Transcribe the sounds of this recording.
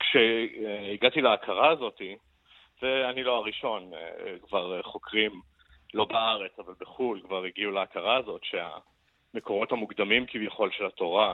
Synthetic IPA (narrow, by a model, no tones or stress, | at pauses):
kʃeiɡat̪ileakʰaʁaːzo̞t̪i | veanilo̞aʁiʃo̞nkvaʁχo̞kʁim | lo̞baaʁet͡savalbeχulkvaʁiɡiuleakaʁaːzo̞tʃea̰ | meko̞ʁo̞thamuɡd̪amimkivjaχo̞lʃelat̪o̞ʁa